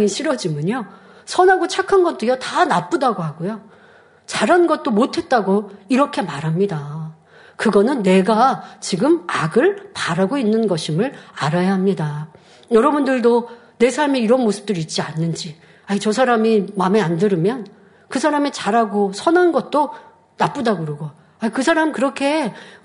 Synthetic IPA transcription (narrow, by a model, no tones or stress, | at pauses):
ŋiɕʰiɾʌd͡ʑimjʌɲo | sʰʌnɦaɡot͡ɕʰakʰanɡʌt͈̚ɯjʌtanap͈udaɡohaɡojo | t͡ɕaɾɦanɡʌt̚t͈omotʰe̞t̚t͈aɡoiɾʌkʰe̞maɾɦamɲida | kɯɡʌnɯnːe̞ɡat͡ɕiɡɯmaɡɯɭpaɾɦaɡoinːɯnɡʌɕʰimɯɭaɾajahamɲida | jʌɾʌbundɯɭdo | ne̞sʰaɭmiiɾʌnmosʰɯ̥p̚t͈ɯɾit̚t͡ɕ͈ianːɯnd͡ʑi | ait͡ɕʌs̬ʰaɾamimameandɯɾɯmjʌn | kɯsʰaɾamit͡ɕaɾaɡosʰʌnanɡʌt̚t͈o | nap͈udaɡoɾʌɡo | aikɯsʰaɾamkɯɾʌkʰe̞